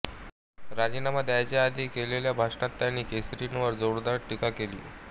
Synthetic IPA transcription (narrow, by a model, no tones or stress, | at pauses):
ɾad͡ʑinaməd̪ʱjat͡ɕjaad̪ʱikeleljabʱaʂɳat̪ːjanːiːkesɾinʋəɾd͡zoɾd̪aɾʈːikakelḭː